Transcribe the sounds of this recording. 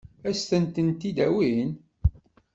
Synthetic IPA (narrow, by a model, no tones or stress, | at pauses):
æst̪ənt̪ənt̪id̪æwin